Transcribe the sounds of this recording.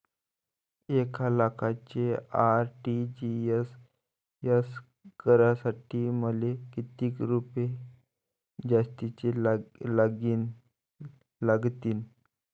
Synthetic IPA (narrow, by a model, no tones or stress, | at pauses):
ekʰalakʰat͡ɕeaɾʈid͡ʑies | əs | kəɾasaʈiːməlekit̪iːkɾupe | d͡ʑast̪it͡ɕelaɡiːn | laɡt̪iːn